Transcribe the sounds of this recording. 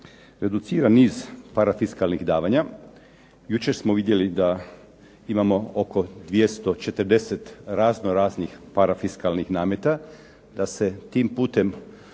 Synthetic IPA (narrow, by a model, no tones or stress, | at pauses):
ɾe̞d̪ut̪siːɾanːiːzpaɾafiskalˠnixd̪aːʋaɲa | jut͡ʃe̞ɾsmoʋid̪je̞lid̪a | imamo̞oko̞d̪ʋje̞st̪o̞t͡ʃe̞t̪ɾd̪eset̪ɾaznoɾaːznixpaɾafiskalnixnaːmet̪a | d̪ase̞t̪iːmpuːt̪e̞m